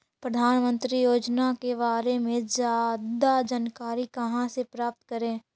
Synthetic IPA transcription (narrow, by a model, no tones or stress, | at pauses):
pɾəd̪ʱaːnmə̃nt̪ɾijoːd͡ʒnakebaːɾemẽd͡ʒjaːd̪ad͡ʒənkaːɾikɐɦãsepɾaːp̚t̪kəɾẽː